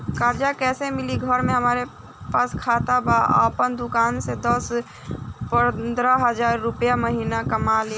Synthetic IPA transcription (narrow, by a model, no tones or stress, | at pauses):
kaːɾd͡ʒakɛːsemɪliɡʱəɾmẽɦəmaːɾe | paːskʰaːt̪abaa̰ːpənd̪ʊkaːnsed̪əs | pənd̪ɾəɦəzaːɾːʊpjaməɦiːnakɐmaːli